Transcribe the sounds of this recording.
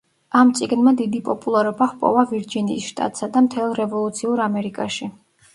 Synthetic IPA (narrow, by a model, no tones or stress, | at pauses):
amt̪sʼiɡnmad̪id̪ipʼɔpʼulˠaɾɔbaχpʼɔ̰vaviɾd͡ʒiniːsʃt̪ʼa̰t̪ʼsad̪amt̪ʰɛlˠɾɛvɔlˠut̪sʰiuɾamɛɾikʼaʃi